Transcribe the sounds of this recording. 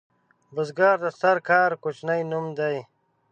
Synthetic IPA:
buzɡaːɾd̪asaɾkʰaːɾkut͡ʃnajnumd̪aj

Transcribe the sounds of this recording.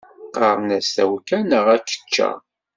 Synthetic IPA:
qɑɾˤnæst̪æwkænəʁækːə̥t͡ʃːæ̰

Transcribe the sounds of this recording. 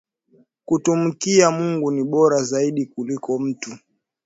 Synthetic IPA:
kutum̩kiamuŋɡuniɓɔɾazaiɗikulikɔm̩tu

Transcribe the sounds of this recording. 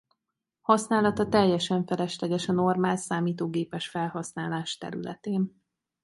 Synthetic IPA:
hɒsnaːlɒt̪ɒt̪ɛjːɛʃɛɱfɛlɛʃlɛɡɛʃɒnormaːlsaːmiːt̪oːɡeːpɛʃfɛlhɒsnaːlaːʃt̪ɛ̰ɾylɛ̰t̪eːn

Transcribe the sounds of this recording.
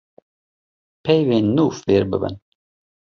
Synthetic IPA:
pʰɛjveːnːuːfveːɾbɨ̰bɨ̰n

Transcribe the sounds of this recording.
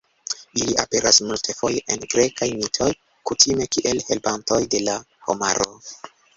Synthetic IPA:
iliʔa̰pe̞ɾasmultʰefo̞jeʔenɡɾe̞kajmitʰo̞j | kutʰime̞kiʔe̞lhe̞lpanto̞jde̞la | ho̰maɾo̰

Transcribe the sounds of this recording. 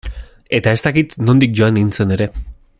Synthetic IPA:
e̞t̪ae̞st̪akit̪no̞nd̪ik̚ʝo̞aneɣint͡se̞ne̞ɾe̞

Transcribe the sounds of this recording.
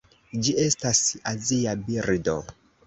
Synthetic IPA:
d͡ʒiestasaziabiɾdo

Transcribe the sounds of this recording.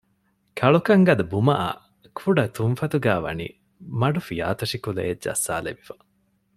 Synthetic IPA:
kʰɐɭukɐŋɡɐd̪ɐbumɐʔɐ̰ | kʰuɖɐt̪unfɐt̪uɡæːʋɐ̰nḭ | mɐɖufija̰ːt̪ɐʃikulḛːd͡ʒɐ̰sːa̰ːlḛʋifɐ̥

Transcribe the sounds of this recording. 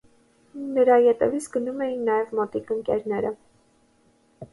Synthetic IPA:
nəɾɑjɛt̪ɛvit͡sʰɡənumɛjinːɑjɛvmɔt̪ikəŋkɛɾnɛɾə

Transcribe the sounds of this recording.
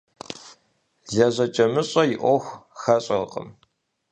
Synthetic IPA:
ɮɐʑʷɐt͡ʃʼɐmɨɕʼɐjɪʔʷɔxʷxɐɕʼɐqʼə̰m

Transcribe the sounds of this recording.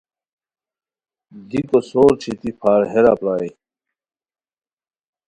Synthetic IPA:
d̪ikosoːɾt͡ɕʰit̪ipʰaːɾɦeɾa̰plaːi

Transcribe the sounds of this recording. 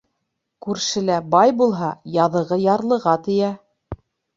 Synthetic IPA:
kʉɾʃɘ̆læbɑjbulˠɦɑjɑðɤ̆ʁɤjɑɾlˠɤ̆ʁɑt̪ɘ̆jæ

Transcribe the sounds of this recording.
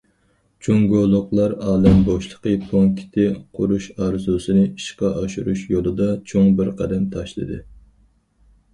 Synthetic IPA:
t͡ʃʰoŋɡolˠʊqlˠɑɾɑːlɛmboʃlˠə̥qəpʰoŋkʲʰi̥t̪ʰɪqʰʊɾuʃɑɾzusɨnɨiʃqɑʔɑʃuɾuʃjolˠɨd̪ɑt͡ʃʰoŋbɪɾqʰɛd̪ɛmt̪ʰɑʃlˠɨ̰d̪ɨ

